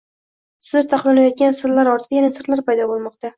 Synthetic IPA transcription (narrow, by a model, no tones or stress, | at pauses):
sɪ̥ɾt̪ʰɑqlˠanajɒt̪̚ɡʲansɪɾlaɾɒɾt̪ʰɪd̪ajanasɪɾlaɾpajd̪ɒbolˠmɒq̚t̪a